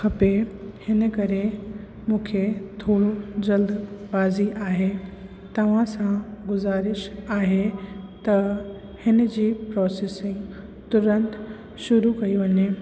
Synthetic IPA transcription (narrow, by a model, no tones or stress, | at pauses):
xʰɐpehɪnə̆kɐɾe | mũːkʰet̪ʰoːɽod͡ʑɐld̪baːziʔaːɦe | t̪ɐʋ̤ãsãɡʊzaːɾɪʃaːɦet̪ɐ | hɪnə̆d͡ʑiːpɾɔːseːsɪ̃ŋɡ | t̪ʊɾə̃nt̪ | ʃʊɾukɐiʋɐɲeː